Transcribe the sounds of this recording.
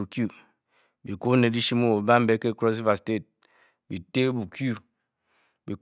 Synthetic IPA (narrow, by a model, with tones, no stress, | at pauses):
u˨kju˦˨ | bi˨ko˦ne˨di˦ʃi˦mo˦wo˨ba˦m̩˦be˦ke˦˨kɾo˦s̬i˦va˨ste˦˨t̚ | bi˨te˦bu˨kju˦ | bi˨